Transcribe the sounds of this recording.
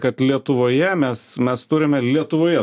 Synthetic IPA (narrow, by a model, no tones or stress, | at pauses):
kɐt̪lʲiɛt̪ʊʋoːjɛmʲɛsmʲɛst̪ʊɾʲɪmʲɛlʲiɛt̪ʊʋoːjɛ